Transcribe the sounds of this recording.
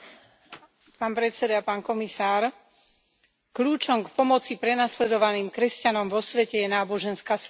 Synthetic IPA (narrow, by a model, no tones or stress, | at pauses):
paːnpɾɛt͡sɛd̪apaːnkɔmisaːɾ | kluːt͡ʃɔmkpɔmɔt͡sipɾɛnaslɛd̪ɔʋaniːmkɾɛscanɔmʋɔsʋɛcɛjɛnaːbɔʒɛnskaːs